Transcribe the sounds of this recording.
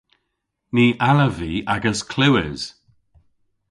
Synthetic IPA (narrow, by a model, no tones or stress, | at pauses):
niːʔaləviːaɡəskʰl̥ɪwɪz̥